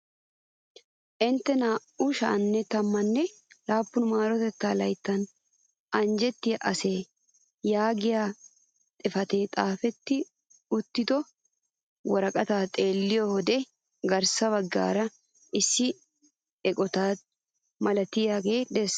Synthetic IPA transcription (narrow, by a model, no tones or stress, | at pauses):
ʔɪnt̪ːɛnaːʔʊʃa̰ːnːɛt̪ɐmːɐnːɛlaːpːʊnmaːɾɔt̪ɛt̪ːaːlɐjt̪ːɐn | ɐnd͡ʒɛt̪ːɪjʔɐse̞ː | jaːɡɪjaː | t̪ʼɪfɐt̪e̞ːt̪ʼaːfɛt̪ːɪ | ʊt̪ːɪd̪ɔ | wɔɾɐkʼɐt̪aːt̪ʼe̞ːlːɪjɔhɔd̪ɛ | ɡɐɾsɐβɐɡːa̰ːɾɐ | ʔɪsːɪ | ɛkʼɔt̪aː | mɐlɐt̪ɪjaːɡe̞ːd̪ɛs